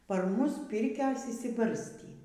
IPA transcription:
pɐr ˈmʊs ˈpʲɪrʲkʲoːs ɪʃʲsʲɪˈbɐrʲsʲtʲiː

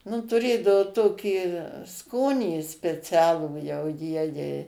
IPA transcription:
nʊ tʊˈrʲeːdɐoː ˈtoːkʲiː ˈskoːnʲiː sʲpʲɛˈt͡sʲæːlˠuː jɛʊ ˈjiɛjɛɪ

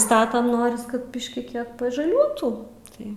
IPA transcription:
ˈstɑːtɐm ˈnoːrʲɪs kɐt ˈbʲɪʃʲkʲɪ ˈkʲiɛk pɐʒɐˈlʲuɔtuː ˈtɐɪ

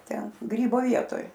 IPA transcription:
ˈtʲɛn ˈɡrʲiːboː ˈʋʲiɛtoːj

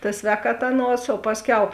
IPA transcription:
tɐ ˈsʲʋʲɛːkɐˌtɐ ˈɑːˌnuɔs oː ˈpɑːsʲˌkʲɛʊ

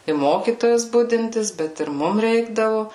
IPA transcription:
ɪ ˈmoːkʲiːtoːjɛs ˈbʊdʲɪnʲtʲɪs ˈbʲɛt ɪr ˈmʊm ˈrʲɛɪɡdɐʋʊ

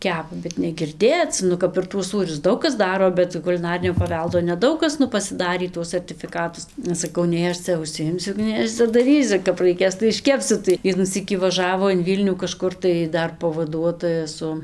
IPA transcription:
ˈkʲæːpɐ bʲɛt nʲɛɡʲɪrʲˈdʲeːt͡s ˈnʊ kɐp ɪr tuɔs ˈsuːrʲʊs ˈdɐʊk kɐs ˈdɑːroː bʲɛt kʊlʲɪˈnɑːrʲɪnʲoː pɐˈʋʲɛlˠdoː nʲɛˈdɐʊk kɐs ˈnʊ pɐsʲɪˈdɑːrʲiː ˈtuɔs sɐrʲtʲɪfʲɪˈkɑːtʊs ɐʃ sɐˈkɐʊ ˈnʲɛɪ ɐʃ ˈt͡sʲɛ ʊʃʲsʲɪˈjɪmʲsʲʊ ˈnʲɛɪ ɐʃ t͡sʲɛ dɐˈrʲiːsʲʊ kɐp rɐɪˈkʲeːs tɐɪ ɪʃʲˈkʲæːpʲsʲʊ tɐɪ ˈʋʲiɛnuː ˈsʲiːkʲiː ʋɐˈʒɑːʋoː ɪn ˈʋʲiːlʲnʲuː kɐˈʃkʊr tɐɪ ˈdɐr pɐʋɐˈduɔtoːjɛ ˈsʊ

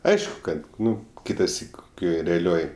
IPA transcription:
ˈɐɪʃkʊ kɐt ˈnʊ ˈkʲɪtɐsʲiːk koːˈkʲoːj rʲɛɐˈlʲoːj

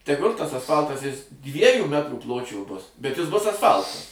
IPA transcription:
tʲɛˈɡʊlʲ tɐs ɐsˈfɐlˠtɐs ˈjɪs ˈdʲʋʲiɛjuː ˈmʲæːtruː ˈplˠoːt͡ʃʲoː ˈbʊs bʲɛt jɪs ˈbʊs ɐsˈfɐlˠtɐs

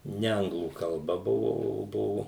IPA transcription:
ˈnʲɛ ˈɐŋɡlˠuː kɐlˠˈbɐ ˈbʊʋoː oː ˈbʊʋʊ

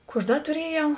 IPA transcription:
ˈkuː ɐʃ ˈdɐ tʊˈrʲiɛjɛʊ

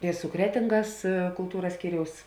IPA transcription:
ɪ sʊ ˈkrʲæːtʲɪŋɡɐs kʊlˠˈtuːrɐs ˈsʲkʲiːrʲɛʊs

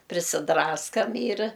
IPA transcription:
pʲrʲɪsʲɪˈdrɑːskɐm iːr

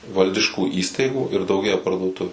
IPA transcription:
ˈʋɐlʲdʲɪʃkuː ˈiːstɐɪɡuː ɪr dɐʊˈɡʲeːjɛ pɐrduɔˈtʊʋʲʊ

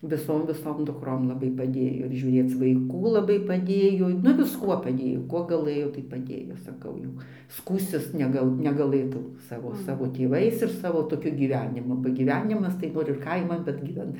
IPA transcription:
ʋʲɪˈsoːm ʋʲɪˈsoːm dʊkˈroːm lˠɐˈbɐɪ pɐˈdʲeːjoː ɪr ʒʲuːˈrʲeːt͡s ʋɐɪˈkuː lˠɐˈbɐɪ pɐˈdʲeːjoː nʊ ʋʲɪsˈkuɔ pɐˈdʲeːjoː ˈkuɔ ɡɐˈlˠɘjoː tɐɪ pɐˈdʲeːjoː sɐˈkɐʊ jɛʊ ˈskuːsʲtʲɪs ˈnʲæːɡɐlˠ nʲɛɡɐˈlˠɘtɐʊ ˈsɑːʋoː ˈsɑːʋoː tʲeːˈʋɐɪs ɪr ˈsɑːʋoː toːˈkʲʊ ɡʲiːˈʋʲæːnʲɪmʊ bɐ ɡʲiːˈʋʲæːnʲɪmɐs tɐɪ ˈnoːr ɪr ˈkɐɪmɐn bʲɛt ɡʲiːˈʋʲɛn

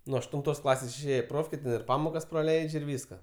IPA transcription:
nʊ ɐʃtʊnˈtoːs ˈklˠɑːsʲeːs ɪʃʲˈeːjɛ ɪ ˈproːfʲkʲeː tʲɛn ɪr ˈpɑːmoːkɐs prɐˈlʲɛɪt͡ʃʲ ɪr ˈʋʲiːskɐ

